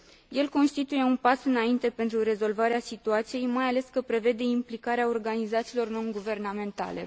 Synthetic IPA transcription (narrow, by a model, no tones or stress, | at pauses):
je̞lko̞nst̪it̪uje̞unpasɨnaint̪e̞pent̪ɾuɾe̞zo̞lvaɾeasit̪uat̪sije̞jmajale̞skəpɾe̞ve̞d̪e̞implikaɾeao̞rɡanizat̪siːlo̞rno̞ŋɡuve̞rname̞nt̪a̰le̞̰